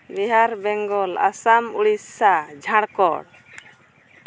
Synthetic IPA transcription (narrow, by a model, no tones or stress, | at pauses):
biɦaɾbɛŋɡɔla̰samuɽisːad͡ʒʱaɽkɔɽ